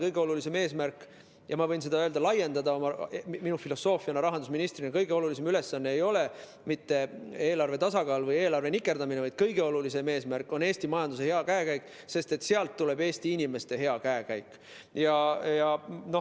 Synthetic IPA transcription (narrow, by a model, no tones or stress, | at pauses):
kɤjɡ̥e̞o̞lulis̬e̞me̞ːsmærkːˑ | jɑmɑvɤjnse̞d̪ɑøld̪ɑlɑje̞nd̪ɑd̪ɑo̞mɑminufilo̞so̞ːfiɑnɑɾɑɦɑnd̪usminist̪rinɑkɤjɡ̥e̞o̞lulisemyle̞sːɑnːeːjo̞le̞ | mit̪ːe̞e̞ːlɑrve̞t̪ɑsɑɡɑːlvɤje̞ːlɑɾrve̞nikːˑe̞rd̪̥ɑminevɑjd̪̥̚kɤjɡe̞o̞lulise̞me̞ːsmærkːˑo̞ne̞ːsʲt̪imɑjɑnd̪use̞he̞ɑkæekæjkːˑ | se̞st̪e̞t̪ːˑse̞ɑlt̪ːule̞be̞ːsʲt̪iinʲime̞st̪e̞ɦe̞ɑkæekæjkːˑ | jɑjɑno̞